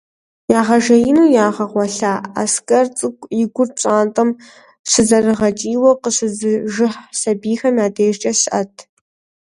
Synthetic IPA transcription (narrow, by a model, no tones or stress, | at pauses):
jaːʁɐʒɐjinuːjaːʁɐʁʷɔɬaːa̰ːskʼɐrt͡sʼɨɡʷʼjɪɡʷʊrt͡ʃʼaːntʼɐm | sɨzɐrɨʁɐt͡ʃʼiːwɐqəsɨzɨʒɪħsɐbiːxɐmjaːdʰeːʒt͡ʃʼɐɕʔɐtʰ